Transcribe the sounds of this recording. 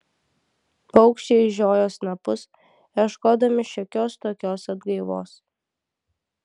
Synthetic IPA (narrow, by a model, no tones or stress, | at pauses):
pɐʊkʃʲt͡ʃʲeɪʒʲoːjoːsnɐpʊs | ɐʃkoːd̪ɐmʲɪʃʲɔkʲoːst̪oːkʲoːsɐd̪ɡɐɪʋo̰ːs